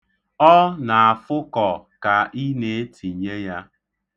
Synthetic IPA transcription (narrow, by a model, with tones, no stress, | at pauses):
ɔ˦na˨a˨fʊ˦kɔ˨ka˨ʔi˦ne˨˦tʰi˨ɲe˦ja˦